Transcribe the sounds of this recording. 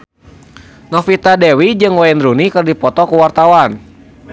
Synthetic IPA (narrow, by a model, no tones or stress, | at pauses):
nɔfit̪adɛwid͡ʒɨŋwainrunikərdipɔt̪ɔkuwart̪awan